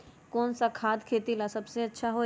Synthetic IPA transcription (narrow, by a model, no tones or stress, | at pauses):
kɔːnsakʰaːd̪kʰeːt̪ilasɐbseɐtːʃʰaɦoː